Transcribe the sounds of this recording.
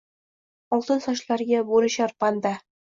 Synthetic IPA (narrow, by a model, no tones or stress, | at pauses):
ɒlˠt̪ɤnsɒɕlˠɑɾɡæbuɾɤ̆ɕɒɾpɑnd̪ɑ